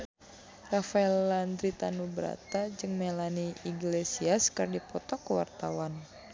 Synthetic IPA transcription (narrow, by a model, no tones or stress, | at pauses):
rafaɛlːand̪ɾit̪anubəɾa̰t̪ad͡ʒɨŋmelaniiɡlesiaskɨrdipɔt̪ɔkuwa̰rt̪awan